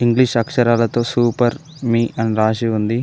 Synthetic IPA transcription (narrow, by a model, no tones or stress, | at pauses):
iŋɡliʂɐkʂɐɾaːlɐt̪oːsuːpɐɾ | miːʔɐnɾaːʃiund̪i